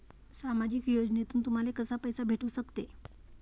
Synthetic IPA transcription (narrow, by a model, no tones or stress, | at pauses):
samad͡ʑikjod͡ʑnet̪uːnt̪um̤alekəsapəjsabʱeʈuːsəkt̪e